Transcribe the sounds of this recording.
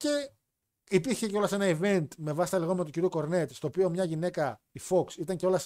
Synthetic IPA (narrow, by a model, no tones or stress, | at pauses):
ce̞ | ipiɾçe̞ceo̞lɐse̞nɐive̞nt̪me̞vɐsi̥t̪ɐliɣome̞t̪uciɾjuko̞ɾnet̪st̪o̞opiomɲɐʝine̞kɐ | ifo̞ksit̪ɐɲceo̞lɐs